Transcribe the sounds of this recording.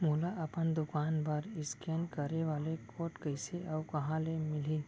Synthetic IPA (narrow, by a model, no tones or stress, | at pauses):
muːlaʔɐpənd̪ʊkaːnbəɾɪskenkɐɾeʋaːlekʰoːʈkəɪseɔːkɐɦãlemɪli